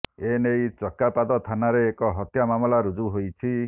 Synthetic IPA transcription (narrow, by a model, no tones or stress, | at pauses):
enejt͡ʃɔkapad̪ɔt̪ʰanaɾeːkɔɦɔt̪jamamɔlaɾud͡ʒuɦojt͡ʃʰi